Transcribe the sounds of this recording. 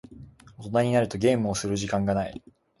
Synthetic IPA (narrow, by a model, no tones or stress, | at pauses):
o̞t̪o̞naɲ̟inaɾɯ̟t̪o̞ɡʲe̞ːmɯ̟o̞sɨɾɯ̟ʑikãŋɡanaḭ